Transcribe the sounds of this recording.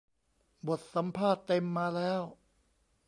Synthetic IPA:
bo˨˩t̪̚sa˩˦mpʰaː˥˩t̪ːe˧mːaː˧lɛː˦˥w

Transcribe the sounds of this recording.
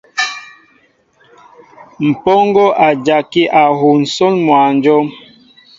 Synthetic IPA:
m̩˨pɔ˦ŋɡɔ˦ʔa˨d͡ʒa˨ki˦ʔa˨ɦo˨n̩˨sɔ˦nmwa˨nd͡ʒɔ˦m

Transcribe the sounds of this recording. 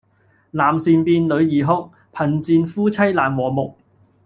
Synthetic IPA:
laː˨˩msiː˨npiː˧nlɵ˨˧ɥjiː˨˩ɦʊ˥k̚ | pʰɐ˨˩nt͡siː˧nfuː˥t͡sʰɐ˥jlaː˨˩nwɔː˨˩mʊ˨k̚

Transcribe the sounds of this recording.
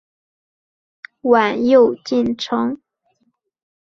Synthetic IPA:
wa˨˩njo˥˧ʊt͡ɕi˥˩nʈ͡ʂʰɤ˧˥ŋ

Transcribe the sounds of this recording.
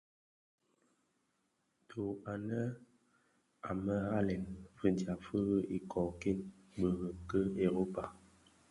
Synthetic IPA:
tʰo˨a˨nə˦ | a˨mə˦ɣa˦lɛ˨nfə˦dja˨fə˦ɣə˦ʔi˦˨kʰɔ˨ki˦n | bə˨ɣə˨kə˦e˨ɾo˦pa˨

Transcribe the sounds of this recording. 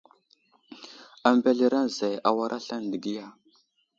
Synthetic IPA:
a˨mba˨ɮi˦ɾa˦nza˨ja˨wa˦ɾʔa˦ɬa˦n˨di˨ɡi˦ja˦

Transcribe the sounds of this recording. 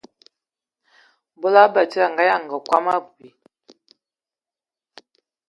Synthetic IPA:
bɔ˦la˦bə˨ti˦a˨ŋ˨ɡa˦ja˦˨ŋ˨ɡə˨kwa˦ma˦bu˨i˨

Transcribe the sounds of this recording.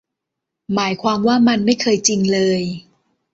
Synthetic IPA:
maː˩˦jkʰwaː˧mwaː˥˩ma˧nma˥˩jkʰɤː˧jt͡ɕi˧ŋlɤː˧j

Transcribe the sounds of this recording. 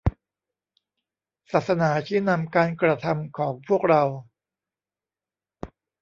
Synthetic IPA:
saː˨˩t̪̚sa˧naː˩˦t͡ɕʰiː˥˩na˧mkaː˧nkɾa˧t̪ʰa˧mkʰɔː˩˦ŋpʰu˥˩ək̚ɾa˧w

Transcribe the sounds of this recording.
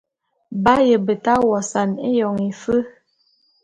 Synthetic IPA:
ba˦jə˨bə˨ta˦wɔ˨sa˨ne˦jɔ˨ŋe˨fə˦

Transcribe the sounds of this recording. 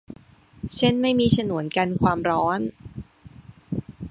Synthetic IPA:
t͡ɕʰe˥˩nma˥˩jmiː˧t͡ɕʰa˧nu˨˩˦ənka˧nkʰwaː˧mɾɔː˦˥n

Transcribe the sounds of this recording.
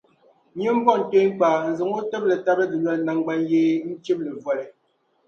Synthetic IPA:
ɲe˦m̩˦bɔ˦˨n̩˨te˦ŋ̩˦k͡pa˨n̩˨zɨ˨ŋo˦tɛ˦b̚lɛ˨ta˦bɛ˦di˨ɲwɛ˦tna˨ŋ˦ɡ͡ba˦n˦je˦n̩˦t͡ʃe˦p̚le˨vwa˦˨lɛ˨

